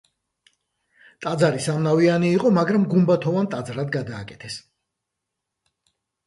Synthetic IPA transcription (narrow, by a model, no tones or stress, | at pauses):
t̪ʼad̪zaɾisamnavianiːqʼɔmaɡɾamɡumbat̪ʰɔvant̪ʼad̪zɾad̪ɡad̪aːkʼɛ̥t̪ʰɛs